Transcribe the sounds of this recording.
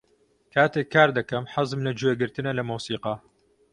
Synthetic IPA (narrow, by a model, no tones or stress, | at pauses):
kʰaːt̪eːkʰːaːɾd̪ɐkɐmħɑzɨmlɐd͡ʒuweɡɨɾt̪ɨnɐlɐmuːsiːqɑ